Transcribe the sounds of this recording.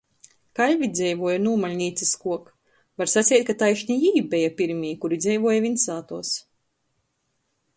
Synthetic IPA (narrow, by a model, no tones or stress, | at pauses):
kalʲvid̪zʲɛjvuɔjanuɔmalʲnʲiːt̪siskuɔk | vaɾsat̪sʲɛjt̪̚kat̪ajʃnʲijiːbɛjapʲiɾmʲiːjkuɾid̪zʲɛjvuɔjavʲinsaːt̪uɔs